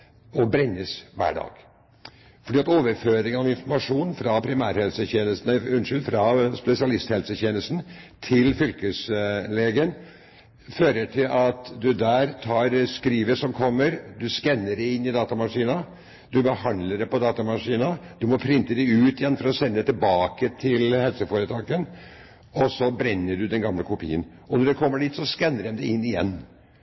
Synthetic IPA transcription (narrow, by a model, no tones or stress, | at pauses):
ɔbɾɛnːəsʋæ̰ːɖɑ̰ːɡ̥ | fɔɖiːɑt̪oːʋəɾføːɾɪŋənɑʋɪnfɔɾmɑʂuːnfɾɑpʰɾɪmæːɾhɛlsəçeːnəst̪n̩ʉnʂɪlfɾɑspɛsɪɑlɪst̪hɛlsəçeːnəsn̩t̪ʰɪlfʏlkəsleːɡən | føːɾəʈʰɪlʔɑt̪d̪ʉd̪æːɾt̪ʰɑːɾskɾiːʋəʂɔmkʰɔmːəɾd̪ʉskɛnːəɖɛɪɪnːɪd̪ɑːt̪ɑmɑʂiːnɑ | d̪ʉbəhɑnd̪ləɖɛpɔd̪ɑːt̪ɑmɑʂiːnɑd̪̥ʉmɔpʰɾɪnt̪əd̪ɛʉːt̪ɪjɛnːfɔɾɔsɛnːəd̪ɛt̪ɪlbɑːkət̪ʰɪlhɛlsəfoːɾət̪ʰɑːkən | ɔsɔbɾɛnːəɖʉd̪ɛnɡɑmləkʰʊpʰḭːən | ɔnɔɖɛkʰɔmːəɖɪt̪sɔskɛnːəɖ̪ɛmd̪ɛɪnːɪjɛ̰nː